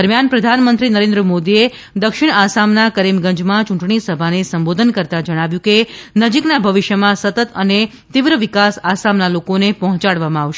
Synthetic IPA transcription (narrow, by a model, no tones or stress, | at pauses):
əɾmjanpɾəd̪ʱanmənt̪ɾinəɾẽnd̪ɾəmod̪ie | d̪əkʃɪɽasamnakəɾimɡə̃ɲd͡ʒmãt͡ʃũɳʈɳ̃isəbʱanesəmbod̪ʱənkəɾt̪ad͡ʒəɽ̃aʋjũkenəd͡ʒiknabʱəʋiʃjəmãsət̪ət̪əne | t̪iʋɾəʋikasasamnalokonepɔɦɔ̃t͡ʃaɽʋamãaʋʃe